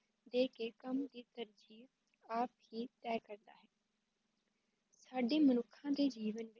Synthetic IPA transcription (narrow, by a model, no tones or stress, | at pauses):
d̪eːkeːkəmd̪iːt̪əɾd͡ʒiː | aːphiːt̪ɛːkəɾd̪a̰ːɦɛː | saːɖeːmənʊkʰːãːd̪eːd͡ʒiːʋənʋɪ